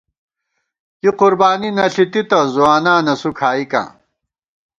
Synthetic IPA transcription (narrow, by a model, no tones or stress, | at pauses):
jiqʊɾbaːninɐɬit̪it̪ɐzuaːnaːnɐsukʰaːikã̰ː